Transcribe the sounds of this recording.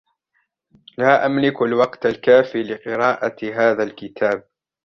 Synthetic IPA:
laːʔamlɪkalwɑqt̪alkaːfiːlɪqɨɾɑːʔaɦaːðalkɪt̪ʰaːb̚

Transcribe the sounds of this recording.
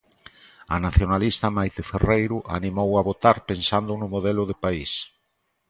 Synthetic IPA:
ɐnaθjonalist̪ɐmajt̪eferejɾʊʔa̰nimowaβot̪aɾpensand̪ʊnʊmoðɛlʊðepais

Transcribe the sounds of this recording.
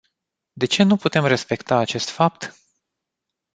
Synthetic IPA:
d̪e̞t͡ʃe̞nuput̪e̞mre̞spe̞kt̪aːt͡ʃe̞st̪fap̚t̪

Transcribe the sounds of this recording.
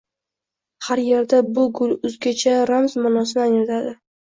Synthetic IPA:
haɾje̞ɾd̪abʊɡʊlˠʊzɡʲat͡ʃʰaɾamzmanɒsɪnɪanɪt̪ʰad̪ɪ

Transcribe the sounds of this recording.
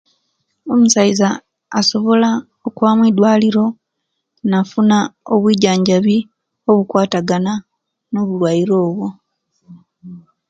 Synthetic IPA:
o̞musaizaː | so̞βo̞la | okuβamwidwaːliɾo̞ | nafunaoβwiːɟaːɲɟaβi | oβukwaːtaɡana | no̞βulwajiɾo̞ːβwo̞

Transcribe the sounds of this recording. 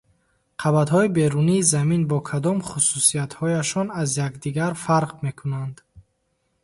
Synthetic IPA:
qʰabat̪hɔibe̞ɾuniːzaminbɔkʰad̪ɔmχususiat̪hɔjaʃɔnazjakd̪iɡaɾfaɾqme̞kʰunand̪

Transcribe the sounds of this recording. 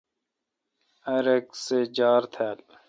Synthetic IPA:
ɐɾeksed͡ʑaːɾt̪ʰaːl

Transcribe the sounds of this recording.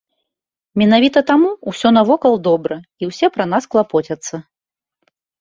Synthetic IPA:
mʲɛnavʲit̪ɐt̪amuusʲɔnɐvɔkɐlˠd̪ɔbɾɐiwsʲɛpɾɐnasklˠapɔt͡sʲɐt̪sːɐ

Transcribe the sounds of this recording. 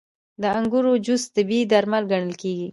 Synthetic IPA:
d̪əaŋɡuɾod͡ʒust̪əbid̪aɾmalɡaɳ̃əlkeɡi

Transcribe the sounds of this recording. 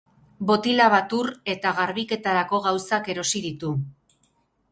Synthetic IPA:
bo̞t̪ilaβat̪uɾe̞t̪aɣaɾβike̞t̪aɾako̞ɣawsake̞ɾo̞siðit̪u

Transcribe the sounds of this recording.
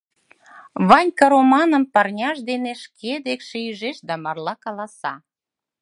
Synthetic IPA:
βɑnʲkɑɾomɑnə̆mpɑrnʲɑʃd̪eneʃkʰed̪ekʃeyʒeʃd̪æmɑrlɑkɑlɑsɑ

